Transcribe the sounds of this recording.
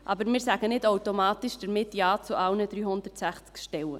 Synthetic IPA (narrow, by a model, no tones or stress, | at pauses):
ʔɑbəɾmɪːɾsæɡ̥ənɪdawtomɑːtɪʃd̥əɾmɪtjɑːt͡suʔɑlnəd̥ɾyːhʊndətsæχt͡skʃtɛwə̰